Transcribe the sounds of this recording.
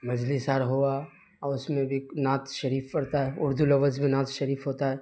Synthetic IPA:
mɐd͡ʒlɪsaːɾɦoa | ɔʊsmẽbʱinaːt̪ʃɐɾiːfpɐɽt̪aɦɛʊɾd̪ʱulɐʋəd͡ʒbʱinaːt̪ʃɐɾiːfɦoːt̪aɦɛː

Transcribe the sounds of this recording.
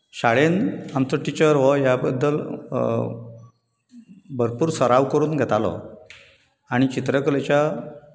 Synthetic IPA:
ɕaɭenamt͡sɔʈit͡ɕəɾʋɔjabəd̪ːəl | bʱəɾpuːɾsəɾaʋkəɾuːnɡʱɛt̪alɔ̰ | aɽ̃it͡ɕit̪ɾəklet͡ɕa

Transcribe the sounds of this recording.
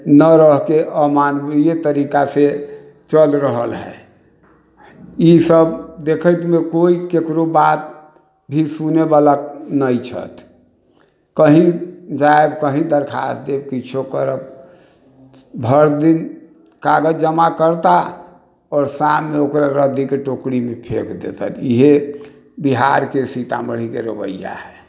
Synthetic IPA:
nəɾəɦkeʔəmanɾijet̪əɾikase | t͡ʃəlɾəɦə̰lɦɛ̰ | isəbd̪ekʰət̪mekoikekɾobat̪̚ | bʱisunebalaknəjt͡ʃʰə̰t̪ʰ | kəɦĩd͡ʒaebkəɦĩd̪əɾkʰa̰sd̪ebkit͡ʃʰokəɾəp̚ | bʱəɾd̪in | kaɡəd͡ʒəmakəɾt̪a | ɔːɾsameokɾaɾəd̪ikeʈokɽimepʰḛkʰd̪ḛt̪ə̰liɦe | biɦaɾkesit̪a̰məɽ̤ikeɾəbə̰jːa̰ɦɛ

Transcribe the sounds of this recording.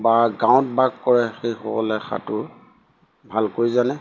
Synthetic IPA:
baɡãw̃t̚baɡkɔɹɛxejxɔ̰kɔ̰lɛxʰa̰tʊ | bʱalkoɹizanɛ

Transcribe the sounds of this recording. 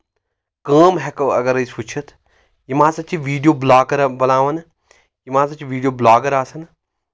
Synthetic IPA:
kə̃ːmɦɛkɐɡɐɾɐisut͡ʃʰɐt̪ʰ | jimãːsɐt͡ʃiʋiːɖijoːblaːɡɐɾbɐlãːʋɐn | jimãːsɐt͡ʃiʋiːɖijoːblaːɡɐɾaːsɐn

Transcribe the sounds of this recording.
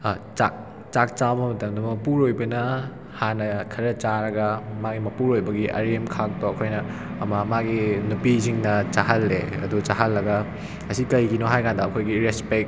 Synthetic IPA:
t͡ʃak̚ | t͡ʃak̚t͡ʃawbɐmɐtɐmdummɐpuɾojbɐnɐ | hanɐkʰɐɾɐt͡ʃaɾɐɡɐmaɡimɐpuɾojbɐɡiʔɐ̰ɾemkʰak̚toɐkʰojnɐː | mɐmaɡinupiziŋnɐt͡ʃaɦɐlːeɐ̰dut͡ʃaɦɐlːɐɡɐ | ɐsikɐjɡinoɦajkandɐɐkʰojɡiɾespek̚

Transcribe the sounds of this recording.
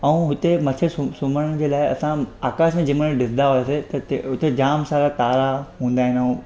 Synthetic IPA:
ɐũɦʊt̪emɐt̪ʰesʊsʊməɽəɽ̃d͡ʑeːlaːɪɐsãaːkaːsmẽd͡ʑɪməɽ̃ɖɪsnd̪aɦoeset̪ɐt̪eɦʊt̪ed͡ʑaːmsaːɾat̪aːɾaɦũːn̆d̪aːɦɪ̃nɐũ

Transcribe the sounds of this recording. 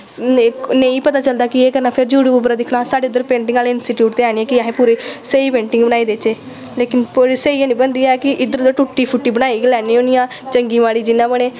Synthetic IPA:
nẽĩːpət̪aːt͡ʃəld̪aːkieːkəɾnaːpʰɪɾd͡ʒuːɽiːbubɾaːd̪ɪkʰnaːsaːɖeʊd̪əɾpẽːɳʈɪ̃ŋɡaːleɪnsɪʈjuːʈt̪eaːniɛːkiaːɦẽːpuːɾeseipẽːɳʈɪ̃ŋɡbəñaːiːd̪eːt͡ʃeː | leːkɪnpoːɾiseianĩbənd̪iːɛkɪʔɪd̪əɾd̪əɾʈʊʈːiːpʰʊʈːiːbənaːiːɡlɛːnioːnijãː | t͡ʃəŋɡiːʋaːɽiːd͡ʒɪnːãːbəɽ̃eː

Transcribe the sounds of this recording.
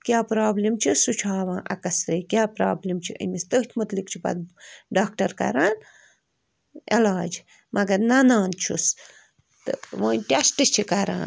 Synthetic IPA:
kʲaːpɾaːblimt͡ʃʰisut͡ʃʰaːʋãːʔɐkɐsɾɐjkjaːpɾaːblimt͡ʃʰiʔə̰mist̪əɦt̪ʲʰmɐt̪likt͡ʃʰibɐ̰d̪̚ɖaːk̚ʈɐɾkɐ̰ɾaːn | elaːd͡ʒ | mɐɡɐɾnɐnaːnt͡ʃʰus | t̪ɨ̰ʋɐːnʲʈʲasʈɨst͡ʃʰikɐɾã̰ːn

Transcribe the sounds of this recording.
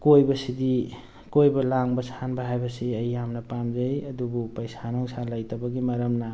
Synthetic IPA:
kojbɐsidi | kojbɐlaŋbɐsʰanbaɦajbɐsiɐjamnɐpamd͡ʒajɐdubupɐjsʰanɔŋsʰalajtabaɡimɐɾɐmna

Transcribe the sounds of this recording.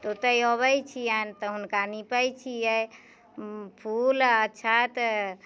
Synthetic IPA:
t̪ot̪əjɔβəjt͡ʃʰijant̪ɔɦunkanipəjt͡ʃʰijɛ | pʰulətːt͡ʃʰat̪

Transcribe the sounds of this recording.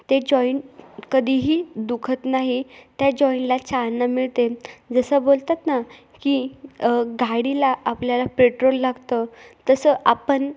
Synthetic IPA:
t̪ed͡ʑɔiɳkəd̪ʱiːɦiːd̪ukʰət̪naɦit̪jad͡ʑɔinlat͡ɕalnːamiɭt̪ed͡zəsəbolt̪at̪na | ki | ɡaɽilaʔːpljalapɾeʈɾolːaɡt̪ət̪əsəʔapən

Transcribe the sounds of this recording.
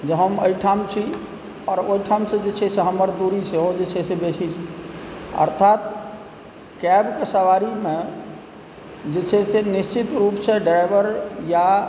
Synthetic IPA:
d͡ʒeɦəmoiʈʰaːmt͡ʃʰi | ɔːɾoːiʈʰaːmsẽd͡ʒet͡ʃʰeseɦəməɾd̪uɾisʰeɦod͡ʒet͡ʃʰesebeːt͡ʃʰit͡ʃʰi | ə̰ɾt̪ʰaːt̪ | kɛbkesəʋaːɾimẽ | d͡ʒet͡ʃʰesenɪst͡ʃɪt̪ɾuːpsẽɖɾaɪʋəɾja

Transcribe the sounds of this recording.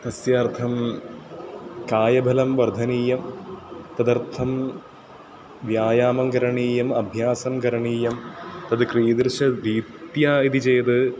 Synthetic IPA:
t̪ɐsjaːrt̪ʰɐm | kaːjɐbʱɐlɐmʋɐɾd̪ʱɐniːjɐmt̪ɐd̪ɐrt̪ʰɐm | ʋjaːjaːmɐmkɐɾɐɳiːjɐmɐbʱjaːsɐmkɐɾɐɳiːjɐmt̪ɐd̪ɨkrijɐd̪ɾʂɐd̪iːt̪jaːid̪it͡ɕejt̪ɨ

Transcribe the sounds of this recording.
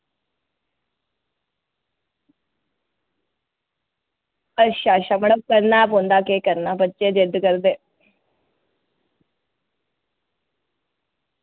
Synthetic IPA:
əʃaːʃaməɽəb̚kəɾnapõnd̪aːkeːkəɾnaːpətːt͡ʃeːd͡ʒɪd̪kəɾd̪eː

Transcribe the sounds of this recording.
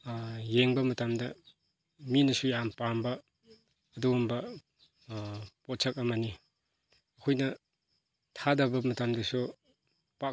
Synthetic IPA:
jeŋbɐmɐtamdɐ | minɐsujampambɐː | dumbɐ | pɔt̚sʰɐk̚ɐmani | ɐkʰojnɐ | tʰadɐbɐmɐtamdɐsu | pak

